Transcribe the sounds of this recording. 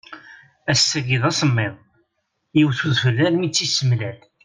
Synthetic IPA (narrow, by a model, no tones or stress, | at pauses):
æsːæɡiðɑsˤəmːɪðˤ | jiwθuðfəlːæɾmit͡sːisəmlæl